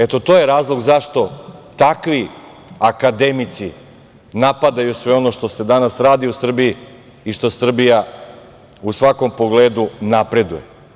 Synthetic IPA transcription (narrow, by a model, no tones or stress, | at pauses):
et̪o̞t̪o̞ːje̞ɾaːzlˠo̞ɡzaʃt̪o̞t̪akʋi | akad̪e̞mit̪si | napad̪ajusʋe̞o̞noʃt̪o̞se̞d̪anasɾaːd̪iusr̩biji | iʃt̪o̞sr̩bija | usʋako̞mpo̞ɡleːd̪unapɾe̞d̪ṵje̞̰